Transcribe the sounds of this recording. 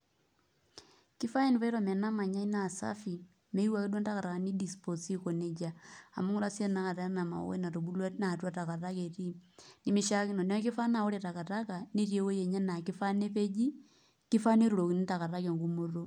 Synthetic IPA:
ki˦fa˦e˦ni˨pa˦i˦ɾo˨me˨na˦ma˨ɲa˦i˦na˦˨sa̰˦fi˨ | me˦i˦wa˦˨ke˦dwa˦nta˦ka˨ɾa˨ka˨ni˦di˨spo˨si˦ko˨ne˨d͡ʒa̰ː˨mo˦ŋɡo˦ɾa˦se˦na˨˦ka˨ta˨˦na˨ma̰˨o̰˦ḛ˦na˨to˨bu˦lwa˦na˨twa˦ta˨ka˨ta˦ke˨ɾi˦ni˦mi˦ʃa˦ki˦no˨ne˦a˦ki˦fa˦na˨o˦ɾe˨ta˨ka˨ta˦ka˨ne˦ɾje˦wo˦je˨ɲa˦na˨ki˦fa˦ne˦pe˦d͡ʒi˦ | ki˦fa˦ne˦ɾo˨ɾo˨ki˨ni˦ta˨ka˨ɾa˦ke˨ŋɡu˦mo˦ɾo˦

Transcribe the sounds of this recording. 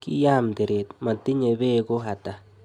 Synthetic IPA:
kḭ˦ja˦mde˨ɾe˨t̪ma˨t̪ɪ˦ɲe˨be˦ɡo˦ɦa˨ta˨

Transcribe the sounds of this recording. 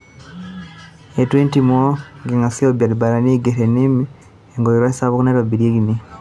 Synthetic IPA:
etwe˦ntimo˦ɡeŋa˨si˦oba˨liba˨ɾa˨ni˦ɡeteni˦mi | eŋɡo˨ɾi˨ɾwa˦sa˦βu˦kune˦ɾobi˨ɾje˦ɡi˨ni

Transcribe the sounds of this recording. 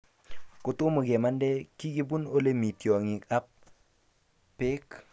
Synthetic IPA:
ko˨to˦mu˨ɡɛ˨ma˦ndɛ˦ki˦ɡi˦bu˦no˦le˦mi˨ti˨ɔ˨ŋi˨a˦p̚ | pe˦k

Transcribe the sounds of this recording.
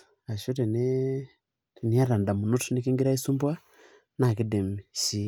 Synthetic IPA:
a˨ʃo˦ɾi˨ne˦ | ti˨ni˦a˦ɾa˨nda˨mu˨nu˦tu˦ni˦ki˦ŋɡi˦ɾa˦i˦su˦mbwa˦ | na˨ki˦de˨miʃi˦

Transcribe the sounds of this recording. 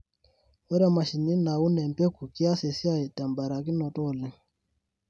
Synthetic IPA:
ɔ˦ɾɛ˦˨ma˨ʃi˨ni˦na˨u˦nɛ˨m˨pɛ˦ku˨ki˦a˦sɛ˨si˦a˦i˨ta˨mba˨ɾa˨ki˦nɔ˨tɔ˦˨lɛ˨

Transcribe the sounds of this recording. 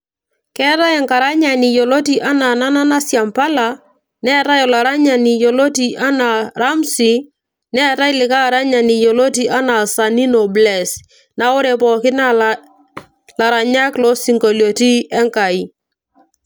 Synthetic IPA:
kɛ˦ta˦ɛ˨ŋka˨ɾa˦ɲa˨ni˨jo˨lo˦t̬i˦ʔa˦na˨na˦na˦na˦sja˨mpa˦la˨ | nɛ˦ta˦jɔ˨la˨ɾa˦ɲa˨ni˨jo˨lo˦ti˨ʔa˦na˨ɾa˦msi˨ | nɛ˦ta˦i˦lɪ˨ka˦ɾa˦ɲa˨ni˨jo˨lo˦ti˨ʔa˦na˨sa˨ni˦nɔ˨blɛ˨s | na˦o˦ɾɛ˨pɔ˨kɪ˦na˦l | la˨ɾa˨ɲa˦klɔ˦si˨ŋɡo˨ljo˨ti˦ɛ˦ŋka˨i˦

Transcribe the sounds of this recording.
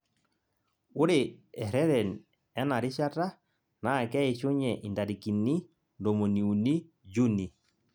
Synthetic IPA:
ʊ˦ɾɪ˨ɛ˨ɾɛ˦ɾɛ˨n | ɛ˦na˨ɾɪ˦ʃa˦ta˦ | na˨kɛ˦e˨t͡ʃo˦ɲɛ˨ʔi˨nda˨ɾi˨ki˨ni˦ | ndo˨mo˨ni˨u˨ni˦ | d͡ʒu˦ni˨

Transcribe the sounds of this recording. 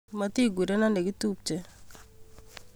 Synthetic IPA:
ma˦ti˦˨ɡwi˨de˦na˦ne˨ɡi˦tu˦p̚t͡ʃe˨

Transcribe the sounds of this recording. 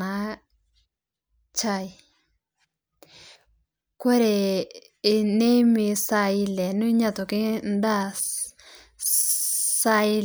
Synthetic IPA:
a˨˦ | t͡ʃa˦˨j | kwɛ˦ɾɛ˨ | ɪ˨ne˦mɪ˨sa˨ɪ˦lɛ˨nʊ˦ɲa˦tɔ˨kɪ˦nda˦s | sa˦ɪ˦l

